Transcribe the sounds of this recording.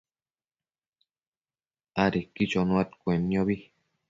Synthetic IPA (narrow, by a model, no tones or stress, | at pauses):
aɾikit͡ʃonũat̪kʷenĩõβi